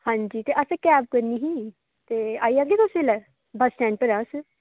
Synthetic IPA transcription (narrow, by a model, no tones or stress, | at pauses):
hãːɲd͡ʒiːt̪eʔəsekɛːb̚kəɾniːɦi | t̪eːaːiaɡet̪ʊselɛ | bəsʈɛ̃ːɳʈpəɾãs